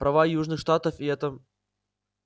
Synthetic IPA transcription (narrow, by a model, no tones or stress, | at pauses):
pɾɐvajuʐnɨxʂt̪at̪əfiɛt̪ə